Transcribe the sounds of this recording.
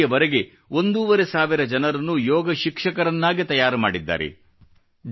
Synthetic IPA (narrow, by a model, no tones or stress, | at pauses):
ɐʋɐɾe̞ɡe̞ | o̞nd̪uːʋɐɾe̞saːʋiɾɐd͡ʒɐnɐɾɐnːujɔːɡɐʃikʂɐkɐɾɐnːaːɡit̪ɐjaːɾɐmaːɽid̪ːa̰ːɾḛ | d͡ʒ